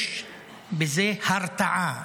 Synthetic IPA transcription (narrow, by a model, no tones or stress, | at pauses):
bɪzeːhaɾˤt̪aʕa